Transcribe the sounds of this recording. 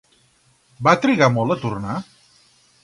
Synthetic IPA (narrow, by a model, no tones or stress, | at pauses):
bat̪ɾiɣamɔlˠət̪urna